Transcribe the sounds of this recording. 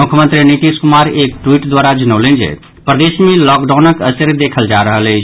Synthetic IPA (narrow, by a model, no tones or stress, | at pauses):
ʊkʰjəmə̃nt̪ɾiniʈiskʊmaːɾeːk̚ʈwiːʈd̪waːɾad͡ʒɐnəːlẽːnd͡ʒḛ | pɾəd̪eːʃmẽlɔːkɖaːnəkəsəɾd̪eːkʰəld͡ʒaːɾəɦəle